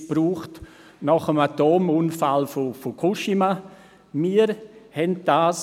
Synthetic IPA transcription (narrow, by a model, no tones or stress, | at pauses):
b̥ɾuːχt | nɑχəmatoːmuːnfalfofokʰuʃima | miːəɾhɛnd̥aːs